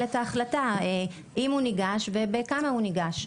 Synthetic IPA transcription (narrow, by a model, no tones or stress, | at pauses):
letaːχlatae | ʔimhuniɡaʃvebekamahuniɡaʃ